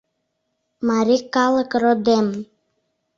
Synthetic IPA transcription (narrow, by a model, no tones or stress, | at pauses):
mɑɾʲikɑlə̆krod̪em